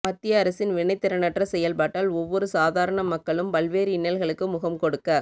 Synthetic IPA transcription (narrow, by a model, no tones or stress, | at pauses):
mɐt̪ːɪjɐːɾɐsɪnʋɪɳɐɪt̪ːɪɾɐnɐʈrɐsɛjɐlpaːʈːaːlɔʋːɔɾɯsaːðaːɾɐɳɐmɐkːɐɭɯmpɐlʋeːɾiɪnːɐlɣɐɭɯkːɯmʊɣɐmkɔɽɯkːɐ